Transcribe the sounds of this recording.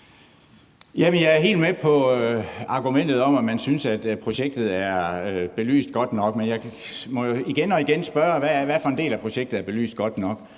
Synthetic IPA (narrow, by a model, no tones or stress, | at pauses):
jæmənjɑ̈ɪæɐɦe̝̰ːldmepʰɒ̽ | ɑ̈ɡ̥umen̰d̥ð̩ˠɒ̽mæmænsynsæd̥pʰʁo̝ɕeɡ̥̚d̥ð̩ˠæɐb̥e̝ly̰ːsd̥̚ɡ̥ɒ̽d̥nɒ̽ɡ̥menjɑ̈ɪmɒ̽iɡ̥enɒ̽iɡ̥ensb̥ɶːɐʋæʋæɐfɒ̽end̥e̝̰ːlæpʰʁo̝ɕeɡ̥̚d̥ð̩ˠæɐb̥e̝ly̰ːsd̥̚ɡ̥ɒ̽d̥nɒ̽ɡ̥